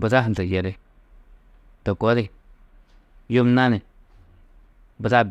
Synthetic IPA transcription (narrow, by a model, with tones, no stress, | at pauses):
bə˨za˦ɦn˨ə˨je˨ɾe˦ | to˨ko˦de˦ | jo˦mna˦ni˨ | bə˨za˦˨b